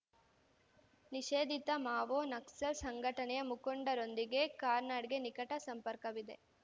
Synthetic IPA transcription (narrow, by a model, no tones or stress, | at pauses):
niʃeːd̪ʱit̪ɐmaːʋoːnɐksɐɾsɐŋɡʱɐʈɐnɛjɐmukoɳɖɐɾo̞nd̪iɡe̞kaːɾnaːɽiɡenikɐʈɐsɐmpɐɾkɐʋid̪e̞̰